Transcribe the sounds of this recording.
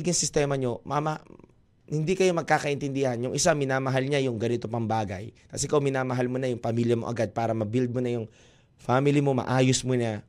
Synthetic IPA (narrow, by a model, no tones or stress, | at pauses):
ɡɪŋsɪst̪ɛːmɐɲo̞mamɐ | hɪnd̪ikɐjo̞mɐɡ̚kaːkɐʔɪnt̪ɪnd̪ɪhɐnjʊŋʔɪsamɪnaːmɐɦalɲajʊŋɡɐnɪt̪opɐŋbaːɡɐjk̪ɐsɪkowmɪnaːmɐɦalmonɐjʊŋpɐmiljɐmo̞ʔɐ̰ɡad̪̚paːɾɐmɐbild̪̚monɐjʊŋ | famɪlɪmo̞mɐ̰ʔaːjʊsmoɲɐ